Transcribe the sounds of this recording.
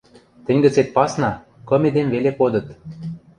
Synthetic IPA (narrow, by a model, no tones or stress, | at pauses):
t̪ə̆nʲɡə̆t͡set̪̚pɑsnɑ | kɤ̆mʲĕd̪envelekod̪ɤ̆t̪